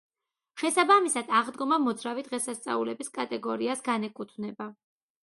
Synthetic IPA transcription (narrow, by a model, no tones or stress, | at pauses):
ʃɛsabamisad̪̥aʁd̪ɡɔmamɔd̪zɾavid̪̥ʁɛsast̪sʼa̰ulɛbiskʼat̪ʼɛɡɔɾiasɡanɛkʼut̪ʰvnɛba